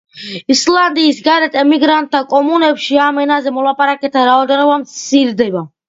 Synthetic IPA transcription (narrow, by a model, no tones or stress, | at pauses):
island̪iːsɡaɾɛt̪ʰʼɛmiɡɾant̪̚ʼd̪akʼɔmunɛpʃiamɛnazɛmɔlˠapʼaɾakʼɛt̪ʰaɾaɔd̪ɛnɔbamt̪sʰiɾd̪ɛba